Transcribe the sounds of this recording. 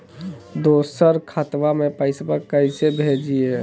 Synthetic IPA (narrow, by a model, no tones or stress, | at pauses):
d̪oːsəɾkʰat̪ʋamẽpəɪsbəkəɪsebʱed͡ʒie